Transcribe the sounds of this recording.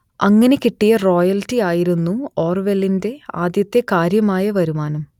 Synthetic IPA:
ɐŋːɐne̞kiʈːijɐro̞ːjɐltːiaːjiɾunːuo̞ːrʋelinde̞aːd̪jɐt̪ːe̞kaːɾjɐmaːjɐʋɐɾumaːnum

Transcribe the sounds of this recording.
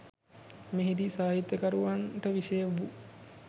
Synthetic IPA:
meɦid̪isaːɦit̪ːjəkəɾuʋanʈəʋiʃejəʋu

